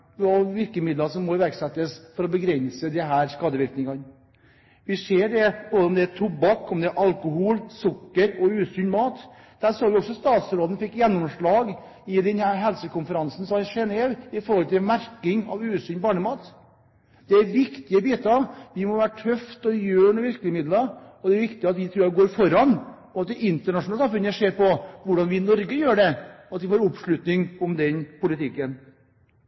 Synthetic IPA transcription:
ɑʋɪɾkəmɪd̪lɑsɔmːɔɪʋæɾɡsɛt̪ːəsfɔɾɔbəɡɾɛnsəd̪ɛɦæːɾskɑːd̪əʋɪɾknɪŋɑn | ʋɪseːɖɛboːɔmd̪ɛæt̪ʰʊbːɑkːɔmd̪ɛæɾʔɑlkʊhuːlsʊkːəɾɔʉːsʏnmɑːt̪ | d̪̥æːɾsoːɾʋɪɔksɔst̪ɑːt̪sɾoːd̪ənfɪkːjɛnːɔmʂɭɑːɡ | ɪd̪ɛnhæːɾɦɛlsəkʊnfəɾɑnsn̩sɔʃɛneːʋɪfɔɾhɔlt̪ʰɪlmæɾkɪŋɑ̰ʋʉːsyːnbɑːɳəmɑːt̪ | d̪̥ɛæɾʋɪkt̪ɪəbiːt̪əɑʋɪmɔʋæːɾʈʰœft̪ɔjøːɳɔʋɪɾklɪəmɪd̪lɑɔd̪ɛæɾʋɪkt̪ɪɑt̪ʋɪt̪ʰɾuːɾɡoːɾfɔɾɑn | ɔɑt̪̚d̪ɛɪnt̪əɳɑʂʊnɑləsɑmfʉnəʂeːɾpɔʋʊɖɑnʋɪnɔɾɡəjøːɖɛɔɑt̪ʋɪfoːɾʊpʂɭʉt̪nɪŋɔmd̪ɛnpʊlɪt̪ʰɪkːən

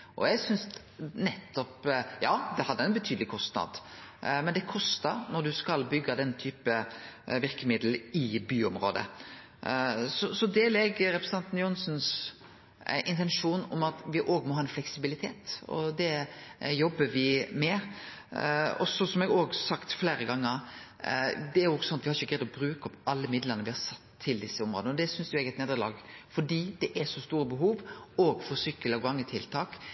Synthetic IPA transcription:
ʔɔ̰ɛɡsʏns | nɛt̪ːɔpjɑːd̪ɛhɑd̪ːəæɪnbət̪ʰyːd̪əlɪkʰɔst̪nɑ̰d̪mɛnd̪ɛkʰɔst̪ɑɾnɔɾd̪ʉskɑlbʏɡːɑd̪ɛnːt̪ʰyːpəʋɪɾkəmɪd̪l̩ɪbyːʊmɾo̰ːd̪ə̰ | sɔsɔd̪eːlɛɡɾɛpɾəsəɑnt̪njʊnsns | ɪnt̪ɛnʂuːnɔ̰mɑt̪ʋɪʔoːɡmɔhɑːɛnflɛksɪbɪlɪt̪ʰeːt̪ɔ̰d̪ɛjɔbːəʋɪmɛ | ɔ̰sɔsɔmɛɡoːɡsɑkt̪fleːɾəɡɑŋːəɾ | d̪ɛæɾjʊɔɡsɔnɑt̪ʋɪhɑɾɪçəɡɾɛɪd̪ɔbɾʉːkɔpɑlːəmɪd̪ləɾnəɾʋɪhɑɾsɑt̪ʰːɪld̪ɪsːəʊmɾoːd̪nɔd̪ɛsʏnsd̪ʉɛɡɛt̪neːd̪əɭɑ̰ːɡfɔɖiːd̪ɛʔæsɔst̪uːɾəbəɦuːʋoːɡfɔɾsʏkːəlɑɡʋɑŋːət̪ʰɪlt̪ʰɑːk

